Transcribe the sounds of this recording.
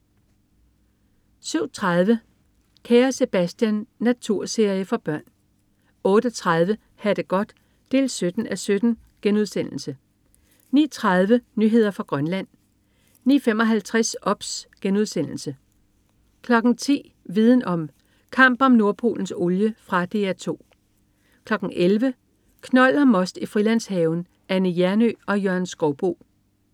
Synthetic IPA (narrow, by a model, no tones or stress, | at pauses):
syʊ̰t͡sʰʁɑð̞ˠʋə | kʰeːɐse̝b̥æsd̥jænːæt͡sʰuɐ̰se̝ɐ̰jəfɒ̽b̥ɶɐ̰n | ɔ̽ːd̥ət͡sʰʁað̞ˠʋə | hæd̥əɡ̥ɒ̽d̥ | d̥e̝̰ːlsød̥n̩æsød̥n̩ | ɡ̥enuð̞ˠsen̰l̩sə | nḭːɐt͡sʰʁɑð̞ˠʋənyɦe̝ð̞̰ˠɐfʁɑ̈ɡ̥ʁɶnlæn̰ | nḭːfem̰ɒ̽ɦælt͡sʰʁasɒ̽b̥sɡ̥enuð̞ˠsen̰l̩sə | kʰlɒ̽ɡ̥n̩t͡sʰḭː | ʋið̞ˠn̩ɒ̽m | kʰɑ̈m̰b̥ɒ̽mno̝ɐpʰo̝̰ːln̩soljəfʁɑ̈d̥e̝̰ːæt͡sʰo̝̰ː | kʰlɒ̽ɡ̥ŋ̩ʔelʋə | kʰnɒ̽l̰ɒmɒ̽sd̥ifʁilæn̰shɛːʊn | ænəjæɐnø̰ːɒ̽jœɐnsɡ̥ɒʊb̥o̝̰ː